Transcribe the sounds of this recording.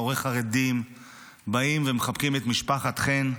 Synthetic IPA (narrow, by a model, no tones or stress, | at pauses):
oʁeχaʁed̪im | baimvemeχab̚kimet̪miʃpaχat̪χen